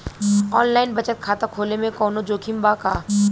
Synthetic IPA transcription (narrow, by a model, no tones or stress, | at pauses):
ɔːnlaːɪnbɐt͡ʃət̪̚kʰaːt̪akʰoːlemẽkɔːnõd͡ʒoːkʰimbaːkaː